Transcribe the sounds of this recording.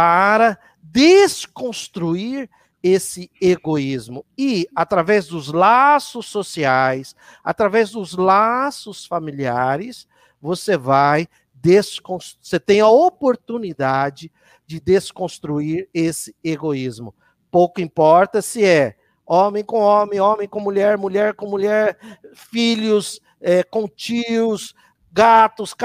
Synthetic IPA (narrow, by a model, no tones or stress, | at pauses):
paɾɐ | d̪eskõst̪ɾuiɾ | esɪeɡoizmʊɪat̪ɾavɛzd̪ʊzlasʊsːosiajs | a̰t̪ɾavɛzd̪ʊzlasʊsfamiliaɾɪs | vosevaj | d̪eskõsset̪ẽj̃ɐopoɾt̪unid̪ad͡ʒɪ | d͡ʒɪd̪eskõst̪ɾuiɾesɪ̥eɡoizmʊ | powkʊĩpɔɾt̪ɐsɪɛ | õmẽj̃kõw̃õmẽj̃õmẽj̃kõmuʎɛɾmuʎɛɾkõmuʎɛɾfiʎʊs | ɛkõt͡ʃiʊs | ɡat̪ʊsk